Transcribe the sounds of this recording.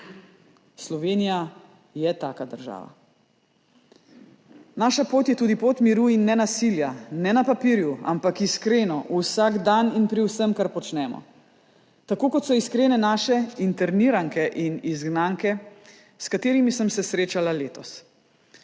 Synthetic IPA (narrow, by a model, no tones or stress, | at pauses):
slɔʋeːnija | jɛt̪a̰ːkad̪əɾʒa̰ːʋa̰ | naːʃapoːt̪jɛt̪uːd̪ipot̪miɾuinːɛnasiljanɛnapapiɾjua̰mpakiskɾeːnɔʔusaɡd̪aninpɾiwsəmkaɾpɔt͡ʃnɛːmɔ̰ | t̪akoːkɔt̪sɔiskɾeːnɛnaːʃɛint̪ɛɾniːɾaŋkɛʔinizɡnaːŋkɛ | skat̪eːɾimisəmsɛsɾeːt͡ʃalaleːt̪ɔs